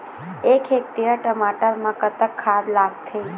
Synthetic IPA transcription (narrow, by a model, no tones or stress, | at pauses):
ekʰek̚ʈijəʈəmaʈəɾmãkət̪əkʰːad̪laɡt̪ʰəi